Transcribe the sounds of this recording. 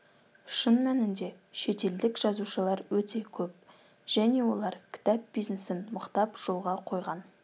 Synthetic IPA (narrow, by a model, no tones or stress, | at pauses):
ʃənmænɪnd̪e̞ | ʃe̞t̪e̞ld̪ɪkʒ̥ɑzuʃəlˠɑɾwɵt̪e̞kʲʰɵp̚ | ʒ̥æne̞wo̞lˠɑɾkʲʰɪ̥t̪ɑp̚bijznesɪnməqt̪ɑpʒ̥o̞lˠʁɑqʰo̞jʁɑn